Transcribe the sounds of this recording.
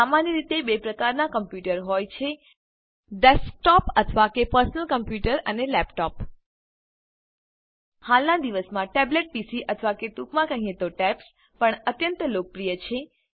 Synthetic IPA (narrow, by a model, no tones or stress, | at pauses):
samanjəɾit̪ebepɾəkaɾnakəmpjuʈəɾɦojt͡ʃʰe | ɖesk̚ʈɔpət̪ʰʋakepəɾsənəlkəmpjuʈəɾənelɛpʈɔp | halnad̪iʋəsmãʈɛbleʈ̚pisiʔət̪ʰʋaket̪ukmãkəɦĩẽt̪oʈɛps | pəɳət̪jənt̪əlok̚pɾijət͡ʃʰe